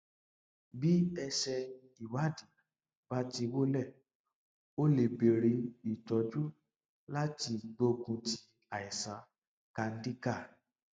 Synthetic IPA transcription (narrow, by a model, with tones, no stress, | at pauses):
bi˦ɛ˧ʃɛ̃˧ | i˨wa˦di˨ | b̥a˦ti˧wo˦lɛ˦˨ | o˦le˨be˨ɾi˨˧i˨tɔ˨˦d͡ʒu˦ | la˦ti˧ɡ͡bo˧˦ɡũ˧ti˧ | a˨i˨sa˨˦ | ka˧n̩˦di˦ka˦˨